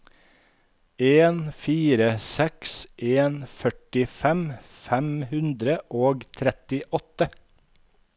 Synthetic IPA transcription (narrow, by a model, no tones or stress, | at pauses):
eːnfiːɾəsɛksʔeːnfœʈɪfɛmfɛmhʉnd̪ɾəʔoːɡt̪ʰɾɛt̪ɪʔɔt̪ə